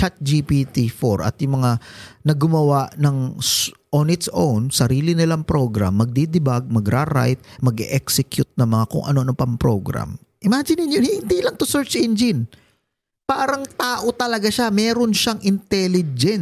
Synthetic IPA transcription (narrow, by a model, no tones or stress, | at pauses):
t͡ʃat̪̚d͡ʒipit̪ifoɾʔɐ̰t̪̚jʊŋmɐŋanɐɡʊmɐwaʔnɐŋʔonɪt̪sʔownsɐɾiːlɪnɪlaŋpɾo̞ɡɾa̰mːɐɡ̚d̪id̪ɪbaɡ̚mɐɡɾaɾa̰jt̪̚mɐɡɪʔɛksɛkjʊt̪̚nɐŋmɐŋakʊ̰ŋʔɐ̰no̞nɐŋpɐŋpɾo̞ɡɾa̰m | ʔɪmad͡ʒɪnɪnjohɪhɪnd̪ilɐŋt̪ʊsɛɹt͡ʃʔɛnd͡ʒɪn | paːɾɐŋt̪aːʔo̞t̪ɐlɐɡaʃamɛːɾo̞nʃaŋʔɪnt̪ɛlɪd͡ʒɛn